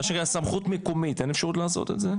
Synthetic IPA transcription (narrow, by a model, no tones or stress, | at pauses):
aʃeasamχutmekomitenefʃaʁutlaːso̞̰t̪etze